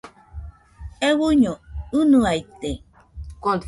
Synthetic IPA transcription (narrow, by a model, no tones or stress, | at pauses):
ewuɲounũajt̪e | ko